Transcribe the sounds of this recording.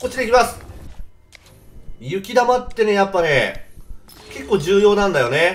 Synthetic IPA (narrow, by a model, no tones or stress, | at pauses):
kot͡ɕːid̪eikʲimasɨ̥ | jɯ̟kʲid̪amat̪ːe̞ne̞japːane | ke̞kːo̞ːd͡ʑɨːjo̞ːnãnd̪ajo̞ne